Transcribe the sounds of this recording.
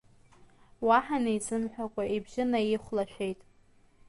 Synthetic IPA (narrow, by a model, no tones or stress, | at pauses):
waħaneizɨmħʷᶣakʷʼaʔibʒɪnaiχʷlaʃᶣʷejtʼ